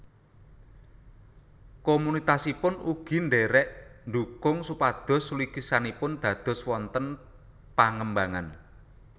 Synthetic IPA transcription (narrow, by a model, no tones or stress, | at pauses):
komunit̪asipʊnuɡ̥i̤ɳɖeɾɛʔnd̪ukʊŋsupad̪̥ɔ̤sulikisanipʊnd̪̥ä̤d̪̥ɔ̤swɔnt̪ən | paŋəmbaŋan